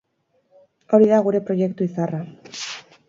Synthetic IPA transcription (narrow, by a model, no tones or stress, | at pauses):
o̞ɾiðaɣuɾe̞pɾo̞je̞kt̪uisara